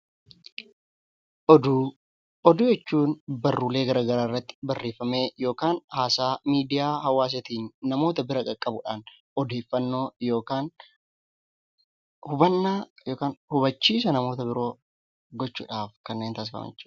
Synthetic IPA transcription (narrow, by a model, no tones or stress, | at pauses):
ɔd̪ʊjɛt͡ʃːuːnbɐrːuːleːɡɐɾaːɡɐɾaːɪrːɐt̪ːɪ̥bɐrːe̞ːfːɐmeːjo̞ːkaːnhaːsaːmiːd̪ɪjaːhɐwaːs̬ɛt̪iːnːɐmo̞ːt̪ɐbɪɾɐkʼɐkʼːɐbʊᶑaːn | ɔd̪e̞ːfːɐnːo̞ːjo̞ːkaːn | hʊbɐnːaːjoːkaːnhʊbɐt͡ʃːiːs̬ɐnɐmo̞ːt̪ɐbɪɾo̞ː | ɡɔt͡ʃːṵːᶑaːfkɐnːe̞ːnt̪aːs̬ɪfɐ̰mɐ̰nɪt͡ʃːʊʔɐ̥